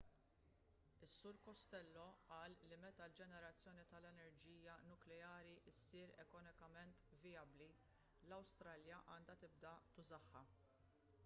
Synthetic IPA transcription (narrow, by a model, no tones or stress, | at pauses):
ɪsːʊɾkɔst̪ɛlːɔʔɐːlːimɛt̪ɐld͡ʒɛnɛɾɐt͡sːjɔːnit̪ɐlɛnɛɾd͡ʒiːjɐnʊklɛjɐːɾiʔɪsːiːɾɛ̰kɔnɪkɐmɛnt̪vɪjɐbli | lɐwst̪ɾɐːljɐʔɐːnd̪ɐt̪ɪb̚d̪ɐt̪ʊzɐħːɐ